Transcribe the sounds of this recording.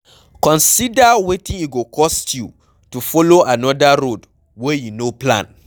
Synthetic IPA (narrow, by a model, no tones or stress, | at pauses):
kɔ̃nsidawetĩŋiɡokʰɔstʰju | tufɔloanɔdaɾod | wɛjunoplã̰n